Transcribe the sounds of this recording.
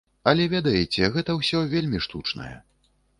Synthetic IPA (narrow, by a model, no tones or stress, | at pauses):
ɐlʲɛvʲɛd̪ɐjɛt͡sʲɛɣɛt̪ɐwsʲɔvʲelʲmʲiʂt̪ut͡ʂnɐ̰jɛ̰